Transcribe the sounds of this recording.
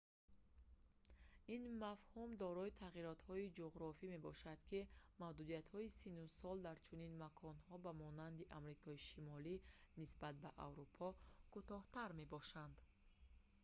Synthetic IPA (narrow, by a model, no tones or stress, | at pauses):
inmafhumd̪ɔɾɔit̪ʰaʁiɾɔt̪hɔid͡ʒuʁɾɔfime̞bɔʃad̪̥kʰimahd̪ud̪ijat̪hɔisinusɔld̪aɾt͡ʃʰuninmakʰɔnhɔbamɔnand̪iʔamɾikʰɔiʃimɔlinisbat̪̚baʔa̰vɾupʰɔkʰut̪ɔht̪aɾme̞bɔʃand̪